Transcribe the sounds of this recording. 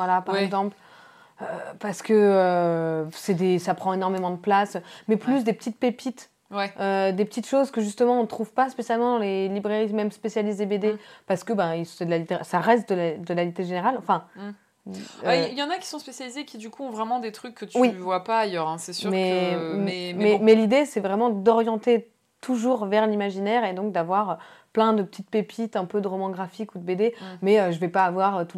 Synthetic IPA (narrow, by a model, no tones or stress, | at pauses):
vwalapaʁɛɡzɑ̃pl | øpaʁsə̥kəø | sɛd̪esapχɑ̃enɔʁmemɑ̃d̪əplasmɛplys̬d̪epə̥t̪it̪̚pepit̪ | wɛød̪epət̪it̪ʃozkəʒyst̪əmɑ̃ɔ̃nt̪χuvpaspesjalmɑ̃d̪ɑ̃lelibʁeʁimɛmspesjalisd̪ebed̪epaʁsə̥kəbɛ̃ilsfɛd̪əlalit̪eʁesaʁɛst̪̚d̪əlad̪əlalit̪eʒeneʁalɑ̃fɛ̃ | ailjɑ̃nakʲi̥sɔ̃spesjalizekʲid̪ykuɔ̃vʁɛmɑ̃d̪et̪χykːət̪ywivwapaːjœʁɛ̃sɛsymɛɛmɛmɛlid̪esɛvʁɛmɑ̃d̪ɔʁjɑ̃t̪e | t̪uʒuʁvɛʁlimaʒinɛʁed̪ɔ̃k̚d̪avwaʁøplɛ̃d̪əpə̥t̪ʰit̪̚pepʰit̪ɛ̃pød̪əʁɔmɑ̃ɡʁafikud̪əbed̪emɛøʒəvɛpaːvwaʁøt̪u